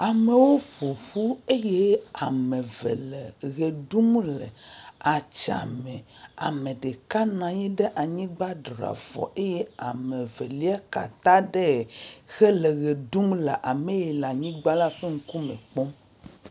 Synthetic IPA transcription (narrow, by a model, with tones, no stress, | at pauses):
a˨me˨wo˦ɸo˨ɸu˦e˦je˦a˨mẽ˨vḛ˨le˨ɣe˨ɖu˦mlḛ˨a˨t͡ʃa̰˨mẽ˨a̰˨mẽ˨ɖe˨ka˦nã˨jɛ˦ɖe˦ʔa˨ɲĩ˦ɡ͡ba˦dɾa̰˨vɔ̰˨ʔe˦je˦a˨mẽ˨ve˨li˦a˦ka̰˨t̪ã˦ɖe˦˨xɛ˦le˨ɣe˨du˦mle˨ʔa˨mẽ˦je˨la˨ɲĩ˦ɡ͡ba˦la˦ɸe˦ŋ̩˦ku˦mḛ̃˨k͡pɔ˦m